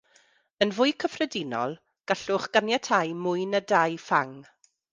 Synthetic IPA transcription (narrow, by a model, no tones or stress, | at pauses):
ənvʊɨkʰəfrɛdinɔ̰lˠ | ɡ̥aɬʊχɡ̥anjatʰajmʊjnədajfaŋ